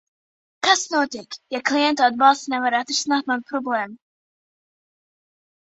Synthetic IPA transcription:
kasnuɔt̪ɪkjaklˠijɛnt̪ad̪̚bɑlˠst̪nɛvaɾat̪ɾsnaːt̪mad̪pɾɔbleːmu

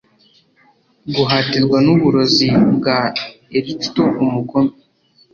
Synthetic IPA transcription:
ɡuɦatizɡwanuβuɾo̞zibɡa | eɾiktoʔumuɡome

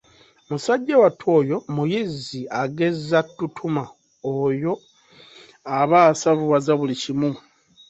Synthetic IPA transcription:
musaɟːawatʰwo̞ːjo̞mujiziaɡe̞zatːutʰuma | ojo̞ | aβaːsavuβazaβulicimu

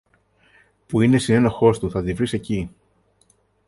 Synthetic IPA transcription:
puine̞sine̞noxo̞st̪uθɐðivɾise̞ci

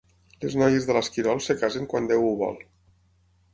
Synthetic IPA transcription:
leznɔjezðəlaskiɾɔlˠsekazeŋkwand̪ewuβɔ̰lˠ

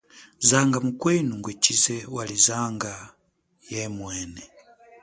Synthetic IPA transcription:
zaŋɡamukwɛnuŋɡwɛt͡ʃizɛwalizaŋɡa | jɛmwɛnɛ

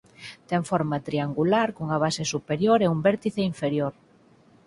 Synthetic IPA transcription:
t̪ɛŋfoɾmat̪ɾiaŋɡulaɾkoŋaβ̞asesupeɾjoɾeumbɛɾt̪iθeiɱfeɾjoɾ

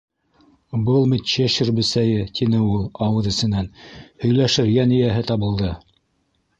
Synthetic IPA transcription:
bɤlˠmɘ̆t̪ɕeʃɘɾbɘ̆sæjɘt̪ʰinɘulˠɑwɤðɘ̆sɘ̆nænhɵ̆jlæʃɘɾjænɘ̆jæɦɘt̪ɑβɤ̆lˠd̪ɤ

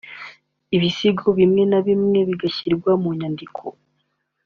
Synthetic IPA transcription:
iβisiɡoβimŋe̞naβimŋe̞βiɡaçiɾɡwamuɲandikʰo

